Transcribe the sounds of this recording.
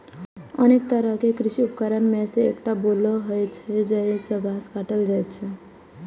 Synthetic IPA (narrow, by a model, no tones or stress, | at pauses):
əneːk̚t̪əɾəɦkekɾɪʃiʊpkəɾənmẽseːkʈaboloɦəjt͡ʃʰɛd͡ʒɛsəɡʱãːskaːʈəld͡ʒajt̪t͡ʃʰɛ